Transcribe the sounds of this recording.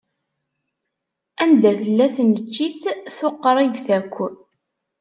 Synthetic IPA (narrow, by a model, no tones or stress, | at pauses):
ænd̪æθəlːæθnət͡ʃːiθθʊqːɾˤɪɡθækʷː